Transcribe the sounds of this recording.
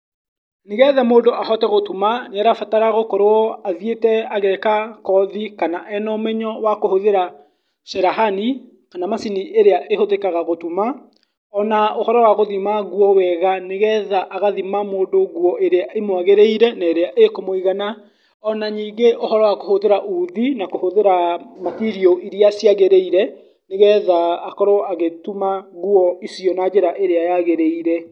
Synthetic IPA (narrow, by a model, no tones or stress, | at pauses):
neɣɛðamoːndoʔaɦɔtɛɣotumaneaɾafataɾaɣokɔɾoɔaðjetɛaɣɛkakɔðikanaʔɛnɔmɛɲɔwakohoðeɾa | ʃɛɾaɦani | kanamasiniʔeɾeaʔehoðekaɣaɣotuma | ɔnaohɔɾɔwaɣoðimaɣwɔwɛɣaneɣɛðaʔaɣaðimamoːndoɣwɔʔeɾeaemwaɣeɾeiɾɛnaeɾeaʔekomoiɣana | ɔnaɲiːŋɡeʔohɔɾɔwakohoðeɾaʔuðinakohoðeɾamatiɾiɔʔiɾiasjaɣeɾeiɾɛ | neɣɛðaːkɔɾɔaɣetumaɣuɔisiɔnad͡ʒeɾaʔeɾeajaɣeɾeiɾɛ